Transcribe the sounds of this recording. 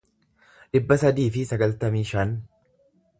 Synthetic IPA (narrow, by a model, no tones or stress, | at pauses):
ᶑɪbːɐsɐd̪iːfɪsɐɡɐlt̪ɐmiːʃɐn